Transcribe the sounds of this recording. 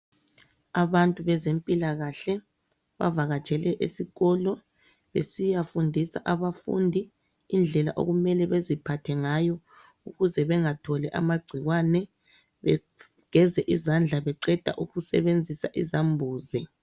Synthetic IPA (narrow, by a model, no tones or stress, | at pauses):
aβantʼuβɛzempʼilaɣaɬɛ | βa̰vaɣat͡ʃʼʰɛlɛʔesiɣɔːlɔ | βḛsijafundʱisa̰ʔaβafṵndʱiː | nd͡ɮʱɛla̰ʔo̰ɣumɛlɛβezipʰatʰɛŋajɔ | uɣuzɛβɛŋatʰɔlɛʔa̰maɡ͡ǀʱiɣwanɛ | βɛ̰ | ɣ̥ɛzɛʔizand͡ɮʱaβɛǃɛd̥ʱa̰ʔuɣusɛ̰βend͡zʱisaʔizambʱuːzɛ